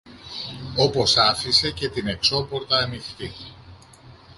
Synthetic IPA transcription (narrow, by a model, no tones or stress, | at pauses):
o̞po̞sɐfise̞ce̞t̪ine̞kso̞po̞ɾt̪ɐːmiθti